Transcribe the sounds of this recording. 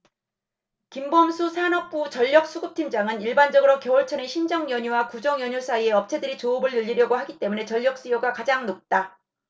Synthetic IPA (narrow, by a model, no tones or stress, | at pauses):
kimbʌmsʰusʰanʌp̚p͈ut͡ɕʌʎːʌk̚s͈uɡɯp̚tʰind͡ʑaŋɯniɭband͡ʑʌɡɯɾokjʌoɭt͡ɕʰʌne̞ɕʰind͡ʑʌŋjʌɲuwakud͡ʑʌŋjʌɲusʰaie̞ʌp̚t͡ɕʰe̞dɯɾit͡ɕoːbɯɭjɯʎːiɾjʌɡoɦaɡit͈e̞mune̞t͡ɕʌʎːjʌk̚s͈ijoɡakad͡ʑaŋnok̚t͈a